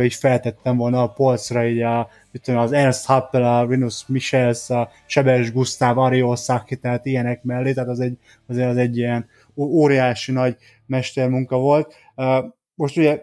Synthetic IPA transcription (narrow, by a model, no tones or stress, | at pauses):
øiːcfɛlt̪ɛt̪ːɛɱvo̞lnɒːpo̞lt̪srɒiːɟɒ | it̪ːojmːzɛnshɑpːɛlɒvinusmiʃɛlsɒ | t͡ʃɛbɛʒɡust̪aːvɒɾio̞rsaːkkːit̪ɛɦat̪ijɛnɛkmɛlːeːt̪ɛæaːt̪ɒzɛɟː | ɒzeːɾɒzɛɟːijɛn | oːɾijaːʃinɒɟ | mɛʃt̪ɛrmuŋkɒvo̞lt̪̚ | ø | mo̞ʃt̪uɟɛ